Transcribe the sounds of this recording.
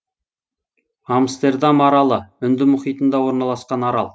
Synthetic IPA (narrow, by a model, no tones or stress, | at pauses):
amst̪e̞rd̪amɑɾɑlˠəʏnd̪ɪmʊχijt̪ənd̪ɑwo̞ɾnɑlˠɑsqɑnɑɾɑ̰lˠ